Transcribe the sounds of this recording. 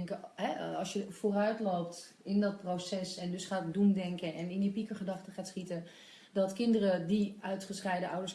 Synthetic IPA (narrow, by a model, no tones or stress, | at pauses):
ɛŋkəhɛɔsjəfoːrœɥtloːp̚t | ɪndɔt̚prosɛsɛndøsχaːtdumdɛŋkəʔɛnɪndipikəχədɑxtəχaːtsχitə | dɔtkɪndərədiœɥtχəsrɛjdəʔɔwdəs